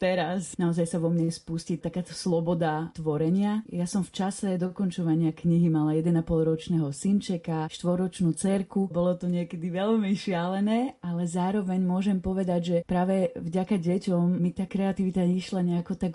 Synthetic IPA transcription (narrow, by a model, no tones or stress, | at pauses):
t̪ɛɾasnaɔzajsaʋɔmɲɛspuscit̪akaːt̪ɔslˠɔbɔd̪at̪ʋɔɾɛɲɪajasɔmft͡ʃasɛd̪ɔkɔnt͡ʃɔʋaɲɪakɲiɦimalajɛd̪ɛnapɔlˠɾɔt͡ʃnɛɦɔsint͡ʃɛkaʃt̪ʋɔɾɔt͡ʃnuːt͡sɛɾkubɔlɔt̪ɔɲɪɛkɛd̪iʋɛʎmiʃɪalɛnɛːalɛzaːɾɔʋɛɲmʊɔʒɛmpɔʋɛd̪aɟʒɛpɾaːʋɛvɟakaɟɛcɔmːit̪aːkɾɛat̪iʋit̪aɲɛʃlaɲɛakɔt̪ak